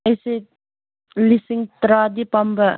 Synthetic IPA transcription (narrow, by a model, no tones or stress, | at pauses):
ɐse | lisiŋt̪ɾaːd̪ipɐmbɐ